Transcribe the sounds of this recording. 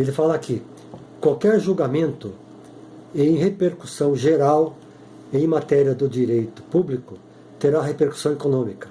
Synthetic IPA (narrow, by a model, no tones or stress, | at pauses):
elɪfalɐakɪ | kwawkɛɾʒuɡamẽnt̪ʊ | ẽj̃hepeɾkusɐ̃w̃ʒeɾaw | ẽj̃mat̪ɛɾiɐd̪ʊd͡ʒiɾejt̪ʊ̥publikʊ | t̪eɾaɦepeɾku̥sɐ̃w̃ekonõmikɐ̥